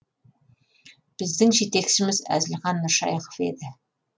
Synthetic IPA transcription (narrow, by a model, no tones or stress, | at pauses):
b̥ɪzd̪ɪŋʒet̪e̞kʃɪmɪzæ̰zɪlχɑnːəʃɑ̰jqo̥vfe̞̰d̪ɪ